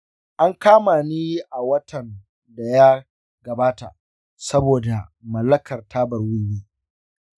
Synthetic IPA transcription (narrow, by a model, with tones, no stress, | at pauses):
ʔa˦ŋkaː˦maː˨niː˦ʔa˨wɐ˦tʰɐ˨n | da˨ja˦ | ɡɐ˨baː˦ta̰˨ʔ | sɐ˦boː˨da˨mɐ˨lːɐ˦kʰɐ˨rtʰaː˦bɐ˨rwi˦wiː˦